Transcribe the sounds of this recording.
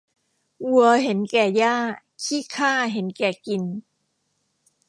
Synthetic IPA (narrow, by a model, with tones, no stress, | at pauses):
ʔu˧˩ɐɦe˩˦nkɛː˨˩jaː˥˩ | kʰiː˥˩kʰaː˥˩ɦe˩˦nkɛː˨˩ki˧n